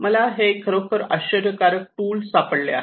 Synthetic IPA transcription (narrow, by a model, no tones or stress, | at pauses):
məlaɦekʰːəɾəkəɾəɕədəkaɾək̚ʈuːlsapəɽlea̰